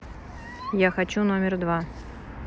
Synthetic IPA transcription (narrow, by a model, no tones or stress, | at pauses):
jaxat͡ɕunomʲɪrd̪va